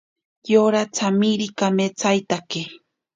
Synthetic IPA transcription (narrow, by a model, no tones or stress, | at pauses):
joɾat͡samiɾikamet͡sajt̪akɪ